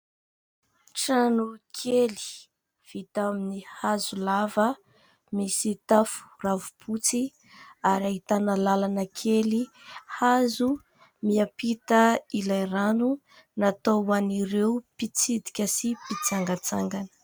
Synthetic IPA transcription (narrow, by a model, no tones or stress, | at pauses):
ʈ͡ʂanukʰeli̥ | v̥it̪aminihazulavə | misit̪afu̥ravupʰut͡si | aɾaɦit̪anəlalanəkʰeli | hazu | miapit̪əilajranu | nat̪oaniɾeupit͡sid̪i̥kʲəsipit͡saŋɡat͡saŋɡanə̥